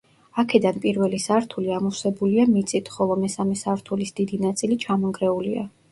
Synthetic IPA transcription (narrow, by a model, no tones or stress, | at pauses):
akʰɛd̪anpʼiɾvɛlisaɾt̪ʰuliamusɛbuliamit̪sʼit̪ʰχɔlˠɔmɛsamɛsaɾt̪ʰulisd̪id̪inat̪sʼilit͡ʃʰamɔŋɡɾɛulia̰